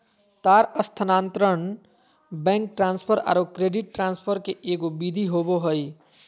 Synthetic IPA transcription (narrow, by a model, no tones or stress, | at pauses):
t̪aɾəst̪ʰənãːnt̪ɾəɳ | bɛ̃ŋk̚ʈɾãːnspʰəɾa̰ːɾokɾeɖiʈ̚ːɾãnspʰəɾkeʔeɡobid̪ʱiɦoboɦəj